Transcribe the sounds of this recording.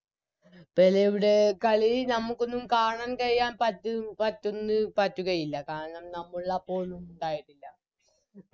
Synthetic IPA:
pɐlːeiʋiɽe̞kɐɭinɐmːukːo̞nːumkaːɳaːnkɐɻjjːaːnpɐtːupɐtːo̞nːɨpɐtːukɐjilːɐkaːɾɐɳɐmnɐmːuɭːɐpːoːɭnumuɳɖaːjiʈːilːɐ

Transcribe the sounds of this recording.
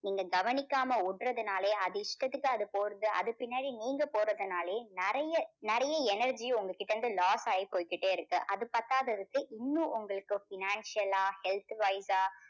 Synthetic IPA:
niːŋɡɐɡɐʋɐnɪkːaːmɐʊɽrɐðɯnaːleːɐðɯɪʂʈɐt̪ːɯkːɯɐðɯpoːɾɐðɯʔɐ̰ðɯpɪnːaːɽiniːŋɡɐpoːɾɐðɯnaːleːnɐɾɐjɐnɐɾɐjɐɛnɐɾd͡ʒĩʊŋɡɐkːɪʈːɐɾɯnd̪ɯlaːsaːjipoːjkːɪʈːeːɪɾɯkːɯʔɐðɯpɐt̪ːaːðɐɾɯkːɯʔɪnːũʔʊŋɡɐɭɯkːɯfɪnaːnsɪjɐlaːhɛlt̪ʋɐɪsaː

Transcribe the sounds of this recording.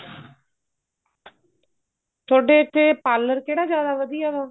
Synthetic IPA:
t̪ʰoːɖeːt̪ʰːeːpaːlːəɾkeːɽaːd͡ʒjaːd̪aːʋəd̪ijaːt̪oː

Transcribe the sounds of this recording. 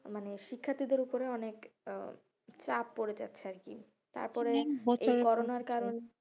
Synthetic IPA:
maneʃikʰːat̪id̪eɾupoɾeɔnek | t͡ɕapːoɾed͡ʑa̰tːɕʰeaɾkḭ | t̪a̰ɾpɔɾeekɔɾonaɾkaɾone

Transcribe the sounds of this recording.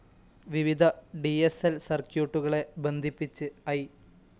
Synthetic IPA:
ʋiʋid̪ʱɐɖieselsɐrkjuːʈːuɣɐɭe̞be̞nd̪ʱipːit͡ɕːɨɐj

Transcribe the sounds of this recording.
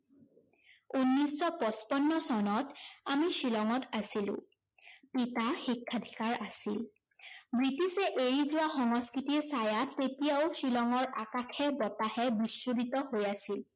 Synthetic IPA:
unːisɔpɔspɔnːɔsɔnɔtamiʃilɔŋɔtasilʊ̰̃ | pitaxikʰːad̪ʱikaɹasil | bɹitisɛʔeɹizʊwaxɔŋɔskɹitisajatːetijaʊsilɔŋɔɹʔakakʰɛbɔtahɛbisːuditɔhojasil

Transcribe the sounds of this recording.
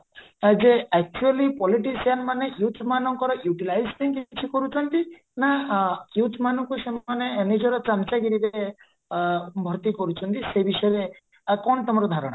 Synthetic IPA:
d͡ʒeɛk̚t͡ʃualipɔliʈisianmanejut̪ʰmanɔŋkɔɾɔjuʈilajsiŋkit͡ʃʰikɔɾut͡ʃʰɔnt̪i | najut̪ʰmanɔŋkusemaneːned͡ʒɔɾɔt͡ʃamt͡ʃaɡiɾiɾe | bʱɔɾt̪ikɔɾut͡ʃʰɔnt̪isebisɔjɾe | kɔɳt̪ɔmɔɾɔd̪ʱaɾɔɽ̃ɔ

